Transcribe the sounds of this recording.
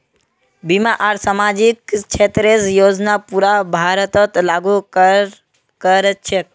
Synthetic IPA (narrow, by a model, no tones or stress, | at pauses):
bimaʔaɾsamad͡ʒikt͡ʃʰet̪ɾesjod͡ʒnapuɾabʱaɾət̪ət̪laɡu | kəɾət͡ʃʰe